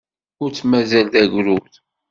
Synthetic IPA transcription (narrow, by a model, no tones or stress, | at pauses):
ʊɾt͡sːmæzæld̪æʝɾuθ